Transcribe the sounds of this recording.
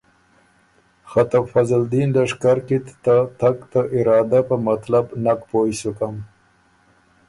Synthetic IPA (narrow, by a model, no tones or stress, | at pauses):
xat̪awfazəld̪inlaʂkaɾkit̪t̪at̪akt̪aʔɪɾɑːd̪apəmat̪labnakpojsukam